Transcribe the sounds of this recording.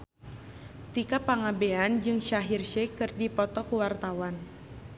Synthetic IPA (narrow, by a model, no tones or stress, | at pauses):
t̪ikapaŋabeand͡ʒɨŋʃaɦirʃɛkɨrdipɔt̪ɔkuwart̪awan